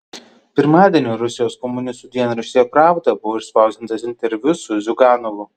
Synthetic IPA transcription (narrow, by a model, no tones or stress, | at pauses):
pʲɪɾmɑːd̪ʲiɛnʲuːɾʊsʲɪjoːskɔmʊnʲɪst̪uːd̪ʲiɛnɾʊʃʲsʲjoːpɾɑːˑʊt̪ɐbʊʋoːɪʃspɑˑʊzʲt̪ʲɪnt̪ɐsʲɪnʲt̪ʲɛɾʲʋʲʊsʊzʲʊɡɑːnɔʋʊ